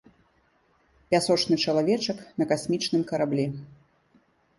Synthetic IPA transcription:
pʲasɔt͡ʂnɨt͡ʂɐlˠavʲɛt͡ʂɐknɐkasʲmʲit͡ʂnɨmkɐɾablʲi

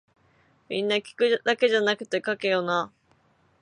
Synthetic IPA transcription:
mʲḭ̃nːakʲi̥kɯ̟d̪̥ake̞ʑanakɯ̟̥t̪e̞kake̞jona

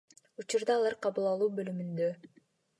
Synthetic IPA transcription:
ut͡ʃuɾd̪ɑːlˠɑɾqʰɑβɯlˠɑlˠuːbø̞lymynd̪ø

